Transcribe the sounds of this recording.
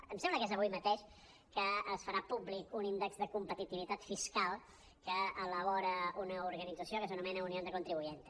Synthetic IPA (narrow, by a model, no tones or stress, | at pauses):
əmsɛmbləkezəβujmət̪eʃ | kəːsfəɾapublikunind̪əkzðəkumpət̪it̪iβit̪at̪fiskalˠ | kəːləβɔɾəunəuɾɣənid͡zəsiokəs̬ənumɛnəuniõnd̪əkunt̪ɾiβujent̪